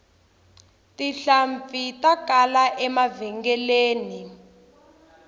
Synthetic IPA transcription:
tiɬaɱfitakalaʔɛmavɛŋɡɛleːni

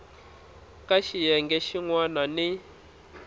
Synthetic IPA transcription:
kaʃijɛŋɡɛʃiŋwanani

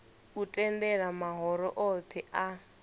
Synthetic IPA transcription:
utʼɛndɛɺamaɦɔɾɔ̰ʔɔpʰɛʔa

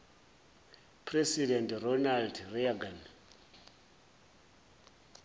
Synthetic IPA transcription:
pʰresidɛntrɔnaldriaɡan

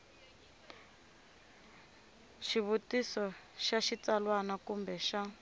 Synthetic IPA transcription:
ʃiβutisɔʃaʃit͡salwanakumbɛʃa

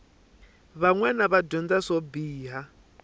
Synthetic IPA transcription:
βaŋwɛnaβadɔnd͡zasɔbiːɦa

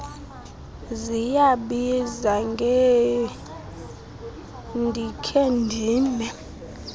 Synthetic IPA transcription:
zijaɓizaŋɡʱe | ndʱikʰendʱiːnɛ

